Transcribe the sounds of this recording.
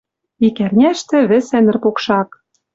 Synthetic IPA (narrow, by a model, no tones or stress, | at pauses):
ikærnʲæʃt̪ɘ̆βɘ̆sænɘ̆rpokʃɑk